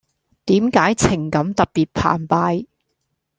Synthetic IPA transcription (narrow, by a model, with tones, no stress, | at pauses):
t̪iː˨˥mkaː˨˥jt͡sʰɪ˨˩ŋkɐ˨˧˥mt̪ɐ˨t̚piː˨t̚pʰa̰ː˨˩npaː˧j